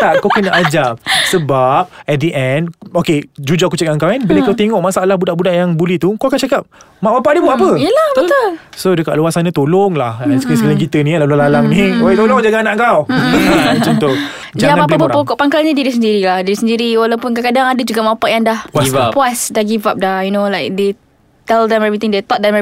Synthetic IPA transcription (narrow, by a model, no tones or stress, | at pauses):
t̪aʔkawkənaʔad͡ʒasəbap̚ɛt̚diʔɛndoked͡ʒud͡ʒaʔkut͡ʃakaŋkawanbilakawt̪eŋɔʔmasaalahbudaʔbudaʔjaŋbulɛht̪ukawakant͡ʃakap̚ | maʔmapaʔdəbuapəiəlahbət̪ʊlsodəkaʔluasanat̪oloŋlahɛ̃nsksəkalaŋkit̪ənĩalalualalaŋnioet̪oloŋd͡ʒaɡaanaʔŋkaw | t͡ʃɔnt̪o | d͡ʒaaapaələpəapokɔʔpaŋkalɲədiɾisəndiɾilahdiɾisəndiɾiwalawpʊnkakadaŋadəd͡ʒuɡamapaʔjaŋdahpapuasdaɡivap̚dajunolajk̚de | t̪ɛldɛmɛvit̪ɪ̃ŋdet̪ɔt̪̚dɛmɛ